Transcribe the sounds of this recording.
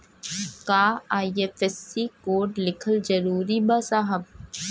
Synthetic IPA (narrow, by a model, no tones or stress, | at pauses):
kaːaːiefɛsikoːɖlɪkʰəld͡ʒɐɾuːɾibasaːɦəb̚